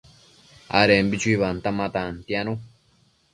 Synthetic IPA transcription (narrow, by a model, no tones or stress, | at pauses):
a̰ɾembit͡ʃuiβant̪amat̪ant̪janũ